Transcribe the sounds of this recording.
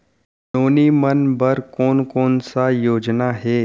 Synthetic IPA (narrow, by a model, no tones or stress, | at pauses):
noːnimənbəɾkoːnkoːnsajoːd͡ʒnaɦɛː